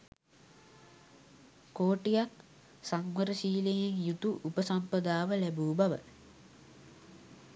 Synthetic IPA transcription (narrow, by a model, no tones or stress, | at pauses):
koːʈijak | saŋʋəɾəsiːlejeŋjut̪uʔupəsampəd̪aːʋəlæbuːbaʋə̰